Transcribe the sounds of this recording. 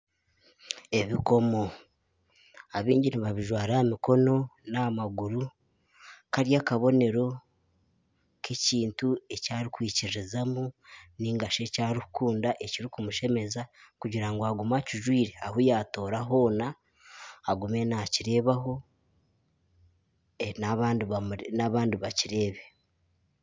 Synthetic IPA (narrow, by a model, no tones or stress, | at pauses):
e̞βiko̞mo̞ | aβḭːɲɟiniβaβiʒwaːɾamiko̞no̞namaɡuɾu | kaɾjakaβo̞ne̞ɾo̞ | kʰe̞ciːntue̞caːɾikwiːciɾɾizamuniŋɡaʃe̞caːɾihu̥kuːndaʔeciɾikumuʃe̞me̞zakuɟiɾaŋɡoaɡumaciʒwiːɾe̞ahujaːto̞ːɾaɦo̞ːnaː | ɡume̞naciɾe̞ːβaɦo̞ | naβaːndinaβaːndiβaciɾe̞ːβe̞